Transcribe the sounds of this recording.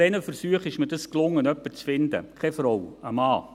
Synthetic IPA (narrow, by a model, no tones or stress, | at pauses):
ɛnəfəɾsyəχɪʃmədəsklʊŋːənœpːət͡sfɪnd̥̪ə̰kʰɛfrɔwəmɑː